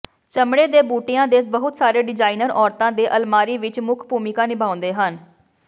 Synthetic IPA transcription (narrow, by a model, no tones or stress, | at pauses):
t͡ʃəmɽeːd̪eːbuːʈɪjãːd̪eːsbəɦʊt̪saːɾeːɖɪd͡ʒaːinəɾʔɔːɾt̪ãːd̪eːʔəlmaːɾiːʋɪt͡ʃmʊkʰbʱuːmɪkaːnɪbʱaːʊ̃nd̪eːɦən